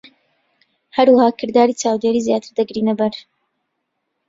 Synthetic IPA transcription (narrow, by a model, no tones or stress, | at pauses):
hɐɾwɐhaːkʰɨɾd̪aːɾiːt͡ʃaːwd̪eːɾiːzjaːt̪ʰɨɾd̪ɐɡɾiːnɐbɐɾ